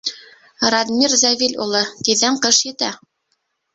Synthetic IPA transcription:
rad̪mʲirzævilʲṵlˠɤt̪iðæɴqɤʃjɘ̆t̪æ

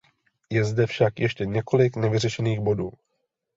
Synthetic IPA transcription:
jɛzdɛfʃakjɛʃcɛɲɛko̞lɪknɛvɪrɛʃɛniːɣbo̞duː

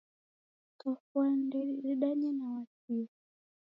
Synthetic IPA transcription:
tɔfwandɛɾiɗaɲanawasi

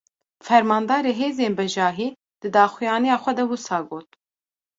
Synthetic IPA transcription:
fɛɾmɑːnd̪ɑːɾeːɦeːzeːnbɛʒɑːɦiː | d̪̥ɨd̪ɑːxʷijɑːnijɑːxʷɛd̪ɛwusɑːɡoːt̪̚

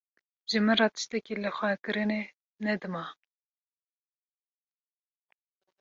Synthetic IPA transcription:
ʒɨmɨrɑːt̪ɨ̥ʃt̪ɛkilɨxʷɛkɨɾɨne | nɛd̪ɨmɑ

